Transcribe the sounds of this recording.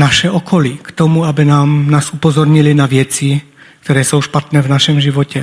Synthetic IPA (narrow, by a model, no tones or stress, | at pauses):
naʃɛɔkʰɔlikt̪ɔmuabinaːmnaːzupɔzɔɾɲilinaʋɪɛt͡si | kt̪ɔɾɛːsɔʊʃpat̪nɛːvnaʃɛmʒiʋɔcɛ